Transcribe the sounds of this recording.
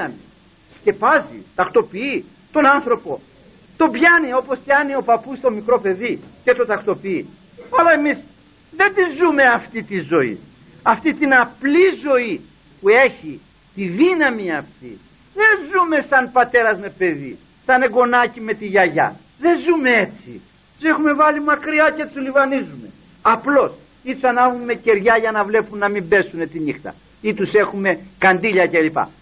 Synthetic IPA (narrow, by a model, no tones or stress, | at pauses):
ɐmḭ | sce̞pɐzḭt̪ɐkt̪o̞pii | t̪o̞nɐnθɾo̞po̞ | t̪o̞bʝɐnio̞po̞spjɐnio̞pɐpust̪o̞mikɾo̞pe̞ðicet̪ot̪ɐkt̪o̞pii | ɐlɐemis | ðend̪izume̞ɐft̪it̪izo̞ḭ | ɐft̪it̪inɐplizo̞i | pue̞çi | t̪iðinɐmiɐft̪ḭ | ðe̞nzume̞sɐnpɐt̪e̞ɾɐzme̞pe̞ðḭ | sɐne̞ɡo̞nɐcime̞t̪iʝɐʝɐ̰ | ðe̞nzume̞e̞t͡sḭ | t̪u̥se̞xume̞vɐlimɐkɾiɐce̞t̪ulivɐnizume̞ | ɐplo̞s | it̪usɐnɐvume̞ce̞ɾʝɐʝɐnɐvle̞punːɐmimbe̞sune̞t̪inixt̪ɐ̰ | it̪use̞xume̞kɐnd̪iʎɐcelipɐ̰